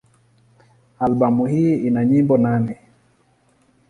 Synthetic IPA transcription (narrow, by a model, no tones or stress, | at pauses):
albamuhiinaɲimbɔnanɛ